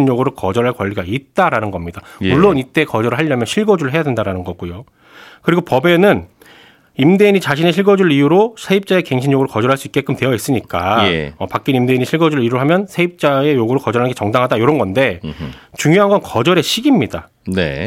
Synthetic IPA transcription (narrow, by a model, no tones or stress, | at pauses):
nɲoɡɯɾokʌd͡ʑʌɾɦaɭkwʌʎːiɡait̚t͈aɾanɯnɡʌmɲidamuɭːonit͈e̞kʌd͡ʑʌɾɯɭɦaʎːʌmjʌnɕʰiɭɡʌd͡ʑuɾɯɭɦejadwe̞ndaɾanɯnɡʌk͈ujo | kɯɾiɡopʌbe̞nɯn | imde̞iɲit͡ɕaɕʰineɕʰiɭɡʌd͡ʑuɭijuɾosʰe̞ip̚t͡ɕ͈ae̞ke̞ŋɕʰiɲjoɡɯɾokʌd͡ʑʌɾɦaɭs͈uik͈e̞k͈ɯmtwe̞jʌis͈ɯɲik͈aḛʌpak͈inimde̞iɲiɕʰiɭɡʌd͡ʑuɾɭiɾuɾoɦamjʌnsʰe̞ip̚t͡ɕ͈ae̞joɡɯɾokʌd͡ʑʌɾanŋɡet͡ɕʌŋdaŋɦadajoɾʌnɡʌnde̞t͡ɕuŋjoɦanɡʌnkʌd͡ʑʌɾe̞ɕʰiɡimɲida | nḛ